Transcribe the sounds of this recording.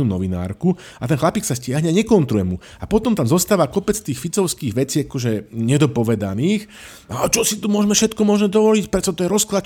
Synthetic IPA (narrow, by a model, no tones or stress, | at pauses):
unɔʋina̰ːɾku | at̪ɛnxlapiːksascɪaɦɲɛaɲɛkɔnt̪ɾujɛmu | apɔt̪ɔmt̪amzɔst̪aːʋakɔpɛt͡st̪iːxfit͡sɔʊskiːɣʋɛt͡siːakɔʒɛɲɛd̪ɔpɔʋɛd̪aniːx | aɔt͡ʃɔsit̪umʊɔʒmɛfʃɛt̪kɔmʊɔʒmɛd̪ɔʋɔlicpɾɛt͡sɔt̪ɔjɛɾɔsklat͡ʃ